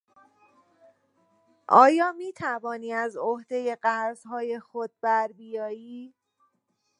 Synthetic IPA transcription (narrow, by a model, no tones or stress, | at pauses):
ʔɒːjɒːmiːt̪ʰævɒːniːæzohd̪e̞je̞ɢæɾzɦɒːje̞xod̪̥̚bæɾbijɒːjiː